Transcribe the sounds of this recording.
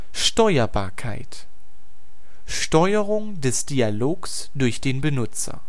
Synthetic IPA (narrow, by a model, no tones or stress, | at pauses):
ʃtɔʏɐbaːɐkʰa̰ɪt | ʃtɔʏəʁʊŋdɛsd̥ialoːks | d̥ʊɐçd̥eːnbənʊt͡sɐ̰